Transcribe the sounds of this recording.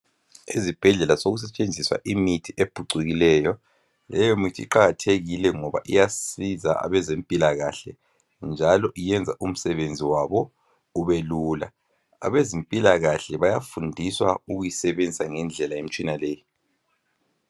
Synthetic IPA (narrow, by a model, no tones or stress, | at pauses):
izib̥ʱɛɮɛlasoɣus̬ɛt͡ʃʼend͡zʱiswa̰ʔimitʰiʔeb̥ʱuǀiɣilɛjɔ | lɛjomitʰiḭǃaɣatʰeɣilɛŋɔβa̰ʔijasiza̰a̰βɛzempʼilaɣaɬɛ | nd͡ʒʱalɔʔijɛnd͡zʱaʔum̩sɛβend͡zʱiwaβɔ | uβelula̰ | a̰βezimpʼilaɣaɬɛβajafundʱiswauɣujisɛβend͡zʱisaŋɛnd͡ɮʱɛlajem̩t͡ʃʼinaleːji